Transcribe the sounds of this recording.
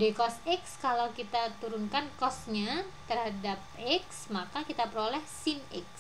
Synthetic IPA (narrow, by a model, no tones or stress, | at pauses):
dekɔsɛkskalawkit̪at̪uɾunkankɔsɲat̪ərhadap̚ɛksmakakit̪apəɾolɛhsinɛ̰ks